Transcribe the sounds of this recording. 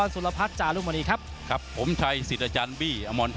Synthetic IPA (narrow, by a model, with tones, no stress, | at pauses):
nsu˨˦la˧pʰa˦˥t̪̚t͡ɕaː˨˩klu˥˩ma˧niː˧kʰa˦˥p̚ | kʰa˦˥pʰːo˩˦mt͡ɕʰa˧jsi˨˩t̪̚ʔa˧t͡ɕaː˧nbiː˥˩ʔa˧mɔː˧nt̪